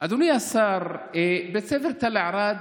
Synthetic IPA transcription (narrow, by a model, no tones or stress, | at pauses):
ʔad̪unɪjːasːɑːɾˤebɪsɪfɾt̪alʔaʕɾˤɑːd̪